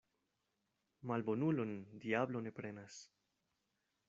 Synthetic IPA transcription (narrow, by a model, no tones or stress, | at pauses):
malbo̞nulo̞ndiablo̞ne̞pɾe̞nas